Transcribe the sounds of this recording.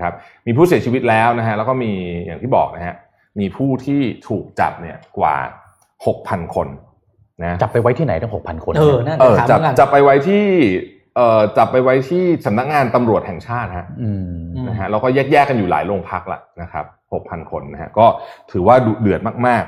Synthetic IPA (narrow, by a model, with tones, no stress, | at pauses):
kʰa˦˥p̚miː˧pʰu˥˩si˩˦t͡ɕʰiː˧wi˦˥t̪̚lɛː˦˥wna˦˥ɦʰa˦˥lɛ˦˥wkɔː˥˩miː˧ja̰ː˨˩ŋt̪ʰiː˥˩bɔ̰ː˨˩k̚na˦˥kʰa˦˥ | miː˧pʰuː˥˩t̪ʰiː˥˩t̪ʰuː˨˩k̚t͡ɕa̰˨˩p̚ni˦˥˩ɐkwa̰ː˨˩ | ho˨˩k̚pʰa˧nkʰo˧nː | a˦˥t͡ɕa˨˩pːa˧jwa˦˥jt̪ʰiː˥˩a˩˦jt̪ʰɯ˥˩ŋho˨˩k̚pʰa˧nkʰo˧nː˧˥ʔəː˨˩˨t͡ɕa˨˩˧t͡ɕa˨˩pːa˧jwa˦˥jt̪ʰiː˥˩ | ʔɤː˨˩t͡ɕa˨˩pːa˧jwa˦˥jt̪ʰiː˥˩sa˩˦mna˦˥k̚ŋaː˧nt̪a˧mɾu˨˩ət̪̚hɛ˨˩ŋt͡ɕʰaː˥˩t̪̚ha˦˥˧ | na˦˥kʰa˦˥lɛ˧˥wkɔː˥˩jɛː˥˩k̚jɛː˥˩kːa˧njuː˨˩la̰ː˩˦jloː˧ŋpʰa˦˥k̚la̰˨˩na˦˥kʰa̰˦˥p̚ho˨˩k̚pʰa˧nkʰo˧nːa˦˥hʰa̰˦˥kɔː˥˩t̪ʰɯː˩˦waː˥˩du˨˩dɯ˨˩ət̪̚maː˥˩k̚maː˥˩k̚